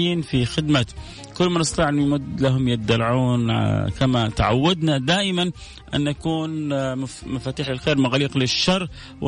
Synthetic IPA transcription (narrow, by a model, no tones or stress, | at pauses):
iːnfixɪd̪ma | kʊlːmanɑst̪ɑt̪ˤiːʕʔɪnːmʊd̪laɦʊmjɪt̪̚d̪ːalʕuːnkamat̪aʕa̰wːad̪nad̪aːʔɪman | ʔa̰nːʔakuːn | mafaːt̪iːħlɪlxeːɾmaɣaːliːqlɪʃːɑrˤː | wʔɪ